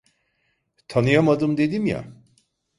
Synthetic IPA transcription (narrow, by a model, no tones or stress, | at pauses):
t̪ʰanɯjamad̪ɯmd̪e̞d̪imja̰